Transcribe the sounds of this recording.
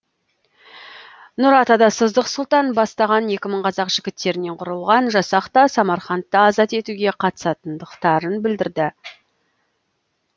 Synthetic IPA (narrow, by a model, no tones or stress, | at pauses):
nʊɾɑt̪ɑd̪ɑsəzd̪əqsʊlˠt̪ɑnbɑst̪ɑʁɑnje̞kʲɪməɴqʰɑzɑqʒ̥ɪɡʲɪt̪ːe̞ɾɪne̞ɴqʰʊɾəlˠʁɑnʒɑsɑqt̪ɑsɑmɑɾχɑnt̪ːəːzɑt̪e̞t̪uɡʲe̞qʰɑt̪ə̥sɑt̪ənd̪əqt̪ɑɾənbɪld̪ɪɾd̪ɪ